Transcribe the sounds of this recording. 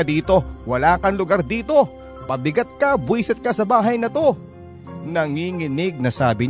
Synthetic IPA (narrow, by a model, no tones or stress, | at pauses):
ɐd̪iːt̪o̞wɐlaːkɐŋlʊɡaɾd̪iːt̪o̞ | pɐbɪɡɐt̪̚kɐbwiːsɛt̪̚kɐsɐbaːɦɐjnɐt̪o̞ | nɐŋiːŋɪnɪɡ̚nɐsaːbɪɲ